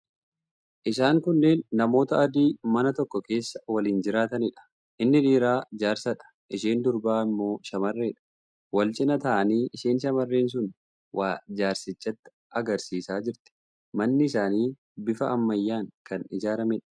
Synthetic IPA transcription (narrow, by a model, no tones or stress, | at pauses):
ʔɪsaːŋkʊnːe̞ːnːɐmo̞ːt̪ɐɐd̪iːmɐnɐt̪ɔkːɔke̞ːsːɐ̥wɐliːnd͡ʒɪɾaːt̪ɐnɪᶑɐ̥ | ʔɪnːɪᶑiːɾaːd͡ʒaːɾsɐᶑɐ̥ | ʔɪʃeːnd̪ʊɾbaːɪmːo̞ːʃɐmɐrːeːᶑɐ̥ | wɐlt͡ʃʼɪnɐt̪ɐʔɐniːɪʃiːnʃɐmɐrːeːns̬ʊn | wʔaːd͡ʒaːɾsɪt͡ʃːɐt̪ːɪ̥ | ɐɡɐɾsiːsaːd͡ʒɪɾt̪ɪ̥ | mɐnːɪɪsaːniː | bɪfɐɐmːɐjːaːŋkɐnɪ̰d͡ʒaːɾɐmɛᶑɐ̥